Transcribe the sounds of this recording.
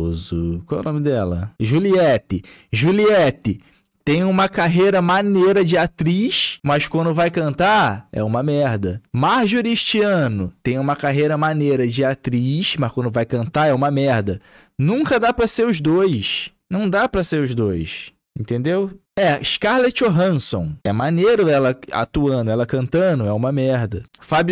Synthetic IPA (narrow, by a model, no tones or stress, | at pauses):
ozʊkwawɛ̰nõmɪd̪ɛlɐ̰ʒuliɛt̪ɪʒuliɛt̪ɪ | t̪ẽj̃ũmɐkaɦejɾɐmanejɾɐd͡ʒɪat̪ɾiʃmɐskwɐ̃nd̪ʊvajkɐ̃nt̪aɛ̰ũmɐmɛɾd̪ɐmaɾʒuɾiʃt͡ʃiɐ̃nʊt̪ẽj̃ũmɐkaɦejɾɐmanejɾɐd͡ʒɪat̪ɾiʃmɐʃkwɐ̃nd̪ʊvajkɐ̃nt̪aɾɛũmɐmɛɾd̪ɐ | nũŋkɐd̪apɾɐseɾʊzd̪ojsnɐ̃w̃d̪apɾɐseɾʊzd̪ojs | ẽnt̪ẽnd̪ew | ɛiʃkaɾlet͡ʃoɦɐ̃nsõ̰w̃ɛmaneɾʊɛlɐa̰t̪uɐ̃nd̪ʊɛlɐkɐ̃nt̪ɐ̃nʊɛũmɐmɛɾd̪ɐfab